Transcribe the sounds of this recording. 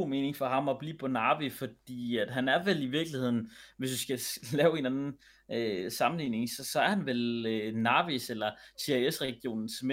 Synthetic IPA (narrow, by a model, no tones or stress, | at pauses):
o̰me̝ːne̝ŋfɒ̽ɦɑ̈mɒ̽b̥lḭːpʰɒ̽nɑ̈ːʋifɒ̽d̥ḭːæd̥ɦænæɐʋeliʋiɐɡ̥lihe̝ð̰ˠn̩ʋe̝sd̥usɡ̥ælɛːʊe̝nænn̩ | øsɑ̈mn̩liːne̝ŋsɒ̽sɒ̽æɐhænʋelønɑ̈ːʋiselɐsʰeæesʁɛɡ̥jo̝̰ːnn̩sme